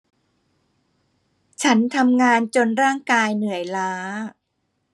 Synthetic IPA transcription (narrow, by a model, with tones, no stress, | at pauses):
t͡ɕʰa˦˥nt̪ʰa˧mŋaː˧nt͡ɕo˧nɾaː˥˩ŋkaː˧jnɯ˨˩˦əjlaː˦˥